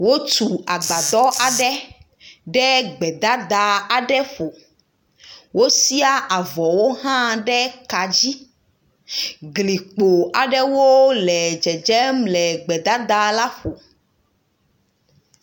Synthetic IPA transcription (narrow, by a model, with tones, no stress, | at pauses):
wo˦tu˨a˨ɡ͡ba˨d̪ɔ˦ʔa˨ɖɛ˦ | ɖɛ˦ɡ͡bɛ˨d̪a˦d̪a˨a˨ɖɛ˦ɸo˨ | wo˦si˦a˦ʔa˨vɔ˨wo˦ɦã˦ɖɛ˦ka˨d͡ʑi˦ | ɡli˨k͡po˨a˨ɖɛ˦wo˦lɛ˨d͡ʒɛ˨d͡ʒɛ˦mlɛ˨ɡ͡bɛ˨d̪a˦d̪a˦la˦ɸo˨